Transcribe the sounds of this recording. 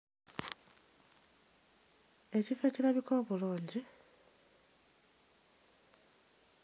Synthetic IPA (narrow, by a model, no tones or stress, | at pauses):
e̞cifecilaβikoβuluːɲɟi